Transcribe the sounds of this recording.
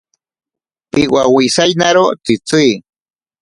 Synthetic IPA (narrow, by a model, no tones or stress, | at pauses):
pɪwawisajnaɾot͡sɪt͡sij